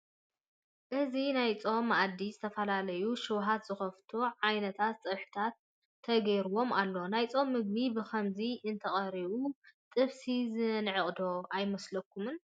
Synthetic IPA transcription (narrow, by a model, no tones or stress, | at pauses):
ʔɨzinajt͡sʼo̞mːʔad̪ːizɨt̪ʰɐfɐlalɐjuʃɨwɦat̪z̥ɨxɐft̪ʰuʕajnɐt̪ʰat̪t͡sʼɐβħɨ̥t̪ʰat̪̚ʰː | ɐɡɐjɾuwo̞malːo̞najt͡sʼo̞mːɨɡ̚bibɨkʰɐmziʔɨnt̪ʰɐxʼɐɾiβut̪ʼɨβsizɨnʕɨχʼd̪o̞ʔajmɐslɐkʰːumɨn